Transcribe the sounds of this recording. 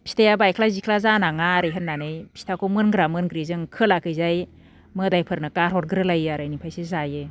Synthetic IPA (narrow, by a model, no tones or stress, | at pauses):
pi̥stʰajabajkʰlazikʰlazanaŋaɾɯjɦɯtnːanɯjpʰi̥stʰakʰɔmɯnɡɾamɯnɡɾizɯŋkʰɯlakʰɯjzaj | mɯdajpʰɯɾnɯkaɾhɔɾɡɾɯlajaɾajnipʰajsezaje